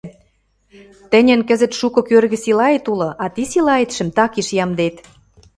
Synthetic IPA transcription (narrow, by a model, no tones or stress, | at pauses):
t̪ə̆nʲə̆nkə̆zə̆t̪ʃukɤ̆kørɣɘ̆silɑet̪ulɤ̆ʔɑt̪isilɑet̪ʃə̆mt̪ɑkiʃjɑmd̪et̪